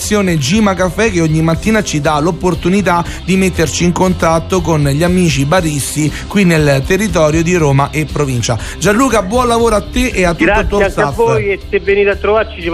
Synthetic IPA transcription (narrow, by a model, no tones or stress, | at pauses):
sːjoːned͡ʒimakafɛk̟eoɲːimat̪ːiːnat͡ʃid̪alopːort̪unit̪a | d̪imet̪ːert͡ʃiːŋkont̪at̪ːokonʎiamiːt͡ʃibaɾist̪i | kwinːelt̪erːit̪̬ɔːɾjod̪iɾoːmaʔepːɾovint͡ʃa̰ | d͡ʒanluːkabːwɔnlavoːɾoat̪ːeʔeat̪ːuosafojeseveniːt̪at̪ːɾovart͡ʃit͡ʃi